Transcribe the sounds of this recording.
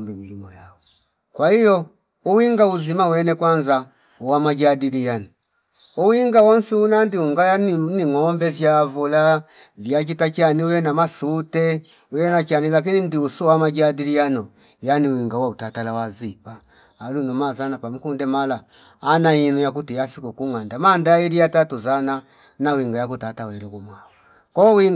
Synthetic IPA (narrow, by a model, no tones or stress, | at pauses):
mbimilimɔjaɔ | kwahijɔ | uwiŋɡauzimauwɛnɛkwanza | uwamad͡ʒadilijanɔ | uwiŋɡawɔnsiunandiuŋɡajaniniŋɔmbɛvjavula | vjat͡ʃitat͡ʃaniujɛnamasutɛ | ujɛnat͡ʃanilak̬inindiusɔwamad͡ʒadilijanɔ | janiwiŋɡawautatalawazipaː | lunɔmazanapamukundɛmalaː | nainujakutijafikɔkuŋandamandajiliatatuzana | nawiŋɡajakutatawɛɾɔkumwawɔ | kɔwiŋ